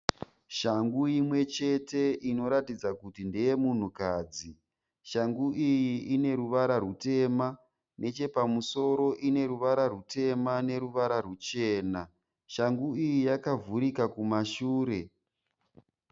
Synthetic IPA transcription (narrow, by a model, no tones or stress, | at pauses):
ʃaŋɡuimwe̞t͡ʃe̞te̞ino̞ɾatid͡zakutindeje̞mun̤ukaːd͡zi | ʃaŋɡuʔijiine̞ɾuʋaɾarute̞ːma | ne̞t͡ʃe̞pamuso̞ɾo̞ʔine̞ɾuʋaɾarute̞mane̞ɾuʋaɾarut͡ʃe̞ːna | ʃaŋɡuijijakavuɾikakumaʃuːɾe̞